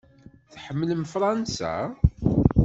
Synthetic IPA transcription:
θħəmːləmfɾˤɑnsæ̰

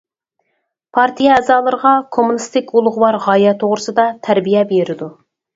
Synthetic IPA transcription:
pʰɑɾt̪ʰijɛːzɑːlˠəɾʁɑkʰomunɨst̪ɪkʲulˠʊʁəwɑɾʁɑjɛt̪ʰoʁɾɨsɨd̪ɑt̪ʰæɾbijɛbeɾɪd̪u

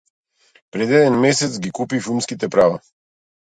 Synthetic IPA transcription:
pɾɛd̪ɛd̪ɛnmɛsɛt̪sɡikupifilˠmskit̪ɛpɾava

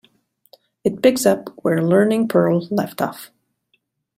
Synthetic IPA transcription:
ɨt̚b̥ɪɡsʌpwə˞lɜ˞nɪ̃ŋpʰɜ˞l̩ˠlɛftɔ̰f

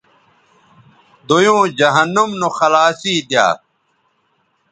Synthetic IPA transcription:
d̪ojõːd͡ʑɐɦɐnːumnoxɐlaːsiːd̪ja̰ː

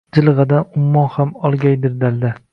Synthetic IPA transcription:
d͡ʒɪlˠɨʁɑd̪anʊmmːɒnhamɒlˠɡʲajd̪ɪɾd̪ald̪ɪ

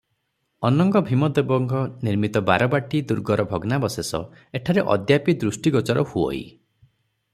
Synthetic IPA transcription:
ɔnɔŋɡɔbʱimɔd̪ebɔŋɡʱɔniɾmit̪ɔba̰ɾɔbaʈid̪uɾɡɔɾɔbʱɔɡnabɔsesɔ̰ | eʈʰaɾeʔɔ̰d̪japid̪ɾusʈiɡɔt͡ʃɔɾɔhuɔ̰ḭ

